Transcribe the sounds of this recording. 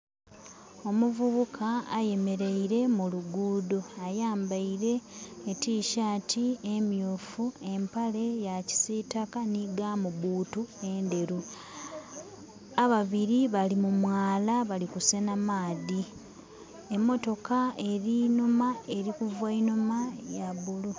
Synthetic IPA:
o̞muvuβukʰaːje̞me̞ɾe̞iɾe̞muluɡuːdo̞ajaːmbaiɾe̞ːtiːʃaːtʰiemjuːfue̞mpale̞jaci̥sitakaniɡaːmuβuːtue̞nde̞ɾu | aβaβiɾiβalimumwaːlaβalikusenamaːði | e̞mːo̞to̞kae̞ɾinumae̞ɾikuvwainumajaβulu

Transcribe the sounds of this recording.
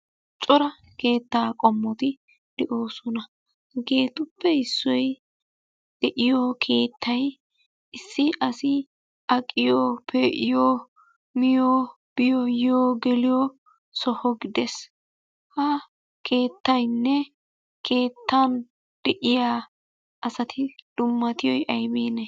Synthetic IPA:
t͡ʃʼɔɾɐ | ke̞ːt̪ːaːkʼɔmːɔt̪ɪ | d̪̥ɛʔo̞ːsɔnɐ | ɡe̞ːt̪ʊpːɛhɪsːɔj | d̪̥ɛʔɪjokʰe̞ːt̪ʰːɐj | ʔɪsːɪɐsɪ | ɐkʼːɪjoːpʰɛʔɪjoː | mɪjoː | b̥ɪjɔjoːɡɛlɪjo | sɔhɔɡɪd̪ɛs | hɐ | kʰe̞ːt̪ːɐjnːɛ | kʰe̞ːt̪ːɐn | d̪̥ɛʔɪjaː | ɐsɐt̪ʰɪd̪̥ʊmːɐt̪ɪjɔjʔɐjbeːnɛ

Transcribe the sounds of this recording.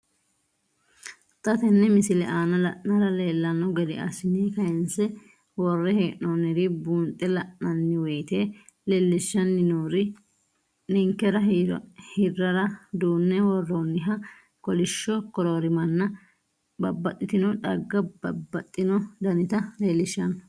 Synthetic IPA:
t̪ʼɐt̪ɛnːɛmɪsɪlɛʔaːnɐlɐʔnɐɾɐle̞ːlːɐnɔɡɛd̪ɛʔɐ̰sɪniːkɐjɛnsɛ | wɔrːɛheːʔonɛɾɪbuːnt̪ʼːɛlɐʔnːɐnːɪwɛjt̪eː | lɛlːɪʃːɐnːɪnoːɾɪ | nɪŋkːɛɾɐhɪrːɐɾɐd̪uːnːɛwɔrːoːnːɪɦɐ | kɔlɪʃːɔkɔɾoɾɪmɐnːɐ | bɐbːɐt̪ʼːɪt̪ɪnɔᶑɐɡːɐbɐbːɐt̪ʼːɪnɔd̪ɐnɪt̪ɐleːlːɪʃːɐn

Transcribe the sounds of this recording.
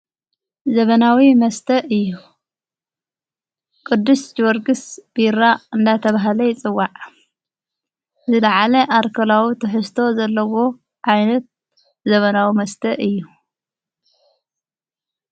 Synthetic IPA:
zɐβɐnawimɐst̪ʰɐʔɨjːu | kʼɨd̪ːusd͡ʒɪwɐɾɡɨsb̥iɾaɨnd̪at̪ʰɐβaɦlɐjɪt͡sʼɨwːaʕ | zɨd̪aʕalɐʔaɾkʰɐlawit̪ʰɨħɨst̪ʰo̞zɐlːɐwo̞ | ʕajnɐt̪̚ | zɐβɐnawimɐst̪ʰɐʔɨjːu

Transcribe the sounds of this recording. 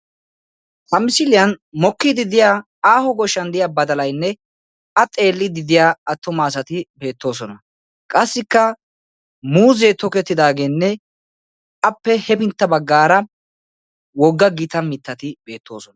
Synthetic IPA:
t̪ɐmɪsɪlɪjɐnmɔkːɪd̪ɪd̪ɪjaː | aːhɔɡɔʃːɐnd̪ɪjaːbɐd̪ɐlɐjnːɛ | ɐt̪ʼe̞ːlːɪd̪ɪd̪ɪjaːɐt̪ːɔmaːsɐt̪ɪbe̞ːt̪ːo̞ːs̬ɔnɐ | kʼɐsːɪkːɐ | muːzɛt̪ɔkɛt̪ːɪd̪aːɡe̞ːnːɛ | ɐpːɛhɛbɪnt̪ːɐbɐɡːaːɾɐ | wɔɡːɐɡɪt̪ɐmɪt̪ːɐt̪ɪbe̞ːt̪ːo̞ːsɔnɐ

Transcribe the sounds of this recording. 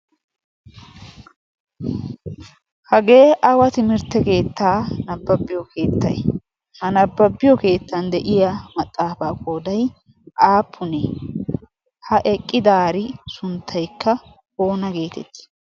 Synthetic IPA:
hɐɡe̞ːʔɐwɐt̪ɪmɪɾt̪ːɛke̞ːt̪ːaːnɐbːɐbːɪjɔke̞ːt̪ːɐ̰j | hɐnɐbːɐbːɪjɔke̞ːt̪ːɐnd̪ɛʔɪjɐmɐt̪ʼːaːfaːkʼoːd̪ɐj | ʔaːpʰːʊne | hɐʔɛkʼːɪd̪aːɾɪsʊnt̪ʰːɐjkːɐ | ho̞ːnɐɡe̞ːt̪ɛ̰t̪ːɪ̥

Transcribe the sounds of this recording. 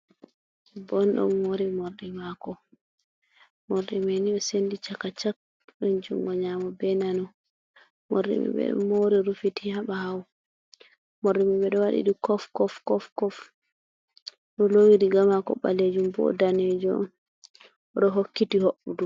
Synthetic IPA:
bɔnɗɔ̰nmoɾimoɾɗimakɔ | moɾɗimeniɓɛsendit͡ʃakːat͡ʃak̚ | ɗɔnd͡ʒṵŋɡɔɲamɔbɛnanɔ | mo̰ɾḭmɛ̰ɓɛ̰ɗ̰moɾiɾufitihaɓaɦaw | moɾimaɓɛɗɔwaɗḭɗikɔfkɔfkɔfkɔf | ɗɔlowidiɡamakɔ̰ɓa̰led͡ʒumbɔ̰daned͡ʒɔ̰n | ɗɔɦokːitihoɓːudu

